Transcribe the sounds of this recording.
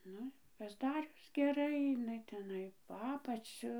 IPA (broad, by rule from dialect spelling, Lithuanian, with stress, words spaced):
ˈnʊ ɪ pɐzˈdɑːrʲʊs ɡʲɛˈrɐɪ ɪˈnɐɪ tʲɛˈnɐɪ poː ˈɑːpɐt͡sʲʊ